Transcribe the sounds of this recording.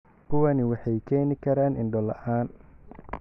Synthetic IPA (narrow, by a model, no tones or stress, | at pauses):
kʰʊwɐnɪwɑħɑjkʰɛːnɪkʰɐɾaːnɪnɖɔlɐ̰ʔaːn